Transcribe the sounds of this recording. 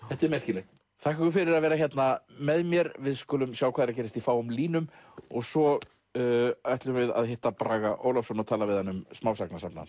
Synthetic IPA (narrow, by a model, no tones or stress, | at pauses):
θɛht̪ɛɾmɛr̥cɪlejht̪ | θahkɛkʏfɪɾɪɾaðvɛːɾaçjɛt̪namɛðmjɛɾvɪðskʏːlʏmsjaːwkʰaːðɛɾacɛːɾɪst̪ifaːwʏmliːnʏmɔɣsɔ | ajht̪lʏmvɪða̰ðhɪht̪ːapɾaːɣaʔo̰wlafsɔnɔt̪ʰaːlavɪðhanːʏmsmaːwsaknasapna̰ns